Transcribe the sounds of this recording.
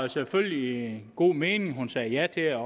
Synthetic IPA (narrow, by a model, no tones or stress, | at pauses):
seføllinɡ̥o̝̰ːmeːnɪ̝ŋɦunsɛːjæt͡sʰe̝ɒ